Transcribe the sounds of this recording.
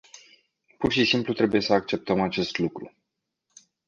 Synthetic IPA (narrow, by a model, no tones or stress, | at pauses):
purʃisimplut̪ɾe̞buje̞səakt͡ʃe̞p̚t̪əmat͡ʃe̞st̪lukɾu